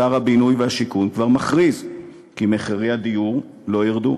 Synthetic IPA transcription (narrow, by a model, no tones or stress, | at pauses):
aʁhabinujveaʃikunkvaʁmaχʁiz | kimeχaʁiad̪iuʁ | lo̞jiʁd̪ṵ